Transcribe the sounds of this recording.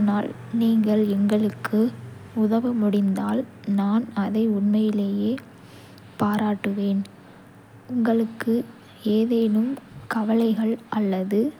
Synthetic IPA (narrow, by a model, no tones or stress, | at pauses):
naːl | niːŋɡɐɭɛŋɡɐɭɯkːɯʊðɐʋɯmʊɽɪnd̪aːlnaːnɐðɐɪʊɳmɐjɪleːjeː | paːɾaːʈːɯʋeːn | ʊŋɡɐɭɯkːɯ | eːðeːnɯmkɐʋɐlɐɪɣɐɭɐlːɐðɯ